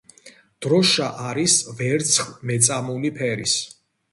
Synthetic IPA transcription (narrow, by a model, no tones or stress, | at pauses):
d̪̥ɾɔʃaʔaɾisvɛɾt̪sʰχlmɛt̪sʼamulipʰɛɾḭs